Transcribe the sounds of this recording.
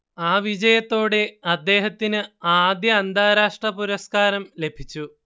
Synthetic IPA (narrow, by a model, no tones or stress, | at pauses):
aːʋid͡ʑɐjɐt̪ːo̞ːɽe̞ɐd̪ːe̞ːɦɐt̪ːinɨaːd̪jɐːnd̪ʱaːɾaːʂʈrɐpuɾɐskaːɾɐmle̞bʱit͡ɕːu